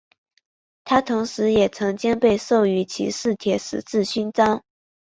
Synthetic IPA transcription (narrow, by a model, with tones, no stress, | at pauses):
t̪ʰa˥t̪ʰʊ˧˥ŋʂɻ̩˧˥jɛ˨˩t͡sʰɤ˧˥ŋt͡ɕjɛ˥npe˥˧ɪso˥˩ʊy˧˥t͡ɕʰḭ˧˥ʂɻ̩˥˩t̪ʰjɛ˧˥ʂɻ̩˨˩t͡sɹ̩˥˩ɕy˥nt͡sɑ˥ŋ